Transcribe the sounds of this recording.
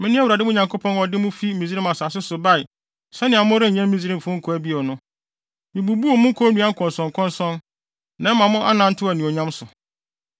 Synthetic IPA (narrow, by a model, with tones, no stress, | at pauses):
mɪ̃˦nɪ̃˦a˦wu˨ɾa˨dɪ˦mʊ̃˦ɲã˨ŋkʰo˦pʰɔ̃˦nɔ˨dɪ˦mʊ̃˦fi˦mĩ˨zi˦ĩ˦ma˨saː˨sɪ˦sʊ˨ba˦˨ɪ˨ | sɛ˦nɪ̃˨a˨mʊ̃˦ɾɪ̃˦ɲ˨ɲɛ̃˦m˦mĩ˦zi˦ɾĩ˦˨fʊ̃˦ŋ̩˦kʰɔ˨æ˦bi˦ɔ˨nʊ̃˦ | mɪ̃˨bu˨bu˦ɔ˨mʊ̃˦ŋ̩˦kʰɔ˦nũ˦a˦ŋ̩˦kʰɔ̃˨nsɔ̃˨ŋ˨kʰɔ̃˦nsɔ̃˦n | nã˦mã˨mʊ̃˦ʔa˦nã˦n̩˦tʰɪ˦˨æ˨nĩ˨ɔ˨ɲã˦msʊ˨